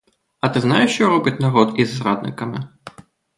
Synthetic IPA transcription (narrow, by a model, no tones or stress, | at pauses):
ɐt̪ɨznajɛʂt͡ʃɔɾɔbʲit͡sʲnaɾɔt̪izːɾa̰d̪nɨ̰kɐmʲɪ